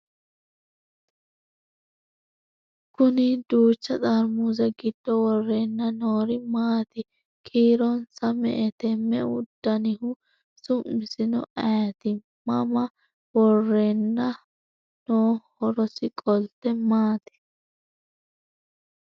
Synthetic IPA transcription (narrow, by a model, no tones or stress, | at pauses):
kʊnɪd̪uːt͡ʃːɐt͡sʼɐɾmuzɛɡɪd̪̥ːɔwɔrːeːnːɐnoːɾɪmaːt̪ɪ | kʰiːɾɔnsɐmɛ̰ʔɛt̪ɛmːɛʊd̪̥ːɐnɪhʊ | sʊmːɪsɪnɔ̰ʔɐjɐt̪ɪ | mɐmɐ | wɔrːenːɐ | noːhɔɾɔsɪkʼɔlt̪ːɛmaːt̪ɪ̥